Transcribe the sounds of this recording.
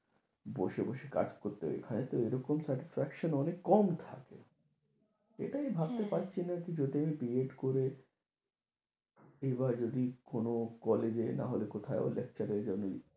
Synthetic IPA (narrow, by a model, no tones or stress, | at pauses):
boʃeboʃeka̰d͡ʑkoɾt̪eḛkʰanet̪oeɾɔkomsɛʈisfɛkʃonɔnekːɔmt̪ʰa̰kḛ | ḛʈaebʱab̚t̪epaɾt͡ɕʰinakid͡ʑod̪iamipɾieʈkoɾe | ebad͡ʑod̪ikonokɔled͡ʑena̰ɦolekot̪ʰaeo̰lek̚t͡ɕaɾeɾd͡ʑonːo